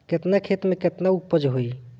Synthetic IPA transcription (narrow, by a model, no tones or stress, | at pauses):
ket̪nakʰet̪mẽket̪naupːəd͡ʒɦoi